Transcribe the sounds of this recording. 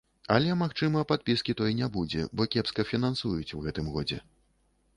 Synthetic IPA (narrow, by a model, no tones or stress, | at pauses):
ɐlʲɛmaxt͡ʂɨmɐpat̪̚pʲiskʲit̪ɔjnʲɛbud͡zʲɛ̰bɔkʲɛpskɐfʲinansujut͡sʲwɣɛt̪ɨmɣɔd͡zʲɛ̰